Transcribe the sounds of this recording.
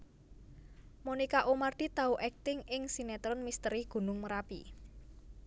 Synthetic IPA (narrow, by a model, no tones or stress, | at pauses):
monikaʔomard̪̥i̤t̪auʔɛk̚t̪ɪŋɪŋsinɛt̪ɾɔnmist̪əɾiɡ̥ṳnʊŋməɾapḭ